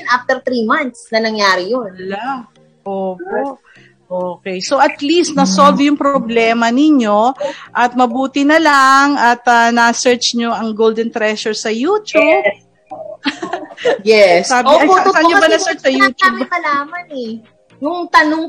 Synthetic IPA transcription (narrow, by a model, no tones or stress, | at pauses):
nʔaft̪ɛɾt̪ɾimant̪snɐnɐŋjaːɾɪjonla | ʔoːpoʔ | ʔoːkɛjsoʔɐt̪list̪̚nɐsolvjʊŋpɾoblɛːmɐnɪɲo̞ʔɐt̪̚mɐbuːt̪ɪnɐlaŋɐt̪ɐnɐsɛɹt͡ʃɲoʔɐŋɡowld̪ɛnt̪ɾɛʃʊɹsɐjuːt̪ub | jɛssaːbɪɐsɐɲobɐnɐsɛɹt͡ʃsɐjuːt͡ʃ̪aubmɐlaːmɐnɛ | jʊŋt̪ɐnoŋ